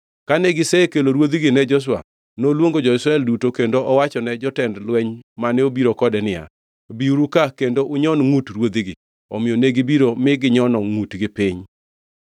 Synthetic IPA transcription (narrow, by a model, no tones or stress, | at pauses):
kanɛɡɪsɛkeloɾwod̪iɡɪnɛd͡ʒɔs̬wa̰ | nolwoŋɡod͡ʒɔisɾaɛldutokendoʔɔwat͡ʃɔnɛd͡ʒɔtɛndlwɛɲmanɛobiɾokɔdɛnɪja̰ | biuɾukakendoʔʊɲɔnŋutɾwod̪iɡɪ | ɔmɪoneɡibiɾomɪɡɪɲɔnɔŋutɡɪpɪɲ